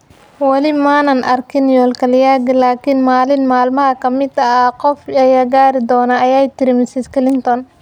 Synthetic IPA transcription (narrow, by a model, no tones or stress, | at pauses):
wɑlɪmaːnɐnʔɐrkʰɪnjɔːlkʰɐljaːɡɪlaːkʰɪnmaːlɪnmaːlmɐɦɐkʰɐmɪd̪ɐaqɔfɛjaɡaːɾɪd̪ɔːnaʔɐjaːjt̪ɪɾɪmɪsɪskʰɪlɪnt̪ɔn